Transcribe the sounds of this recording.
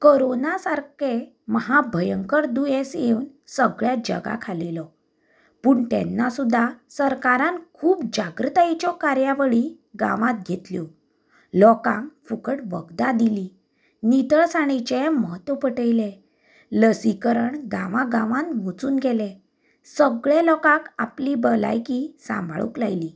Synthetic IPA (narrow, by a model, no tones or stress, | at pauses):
koɾonasaɾke | məɦabʱəjəŋkəɾd̪ujẽsjeun | səɡɭjad͡ʑə̰ɡa̰kʰalilɔ | puːɳt̪ɛ̰nːasud̪ʱːasəɾkaɾãnkʰuːpd͡ʑaɡɾət̪ait͡ɕɔkaɾjaʋəɭi | ɡã̰ʋãt̪̚ɡʱet̪ljɔ | lɔkãŋkfukəʈʋəɡd̪ad̪ili | nit̪əɭsaɽ̃it͡ɕemɔɦət̪əpəʈəjle | ləsikəɾəɳɡãʋãɡãʋãnʋot͡suːnɡɛlɛ | səɡɭjelɔkãkaplibəla̰jkisã̰mbʱa̰ɭṵklajli